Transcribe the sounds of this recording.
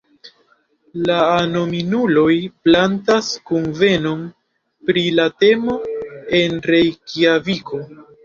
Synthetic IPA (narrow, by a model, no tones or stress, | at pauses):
laːnominulo̞jplantaskunve̞no̞m | pɾilate̞mo̞e̞nɾe̞jkiavikʰo̞